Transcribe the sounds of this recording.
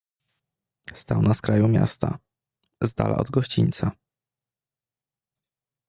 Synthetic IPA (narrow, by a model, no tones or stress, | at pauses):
st̪awnaskɾajumʲja̰st̪a | zd̪alʔa̰ʔɔd̪ɡɔɕt͡ɕiɲʲt̪sa